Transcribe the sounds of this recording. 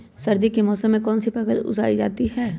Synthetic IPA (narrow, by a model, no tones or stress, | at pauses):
sɐɾd̪ikimɔːsəmːẽkɔːnsipɐkəlʊ̰za̰ːid͡ʒa̰ːt̪iɦɛː